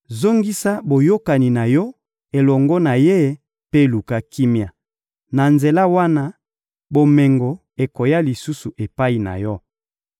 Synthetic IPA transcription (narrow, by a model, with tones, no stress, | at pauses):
zo˦ŋɡi˦sa˦bo˨jo˦ka˨ni˨na˨jɔ˦ | e˨lɔ˨ŋɡɔ˦na˨je˦˨˦ | pe˦˨lu˨ka˦ki˦mja˨ | na˨nze˨la˦wa˦na˦ | bo˨me˨ŋɡo˨ | e˨ko˨ja˦li˨su˦su˨ʔe˨pa˦i˨na̰˨jɔ˦